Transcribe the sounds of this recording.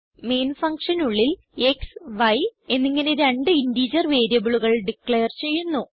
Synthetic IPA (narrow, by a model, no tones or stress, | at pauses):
me̞ːnfɐŋkʂɐnuɭːil | e̞ksʋɐje̞nːiŋːɐne̞ɾeɳɖɨindiːd͡ʑɐrʋe̞ːɾjɐbuɭuɣɐɭɖikɭejɐrt͡ɕe̞jːunːu